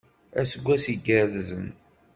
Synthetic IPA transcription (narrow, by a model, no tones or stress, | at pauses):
æ̰səɡʷːæsiɡəɾðzən